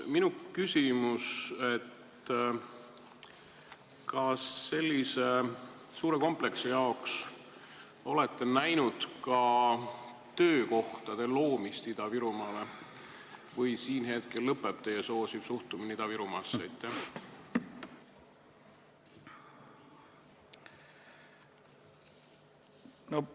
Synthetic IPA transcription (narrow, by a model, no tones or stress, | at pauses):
minukysʲimuse̞t̪ | kɑsːe̞lʲːise̞suːɾe̞ko̞mple̞ksejɑoks | o̞le̞t̪ːe̞næjnud̪̥kɑ | t̪ø̞ːko̞ht̪ɑd̪̥e̞lo̞ːmist̪id̪̥ɑviɾumɑːle̞ | vɤjsiːnɦe̞t̪̚ke̞lːɤpːˑe̞b̥̚t̪e̞jeso̞ːsib̥suht̪uminid̪ɑviɾumɑːsːejt̪ːˑæh | no